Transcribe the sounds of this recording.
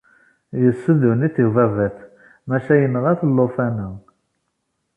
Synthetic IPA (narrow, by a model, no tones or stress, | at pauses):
jəsːəðuniθivævæθ | mæʃæjənːʁæθəlːofænə